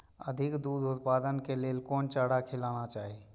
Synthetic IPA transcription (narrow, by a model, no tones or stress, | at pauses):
ə̰d̪ʱikd̪ud̪ut̪paːd̪ənkeleːlkɔːnt͡ʃaɽakʰelanat͡ʃaːɦi